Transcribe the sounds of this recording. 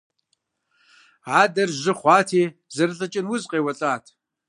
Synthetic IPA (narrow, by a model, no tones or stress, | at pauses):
aːdɐrʒɪχʷɑːtʰiːzɐrɬɐt͡ʃʼɪnwʊzqeːwɐɬʼaːtʰ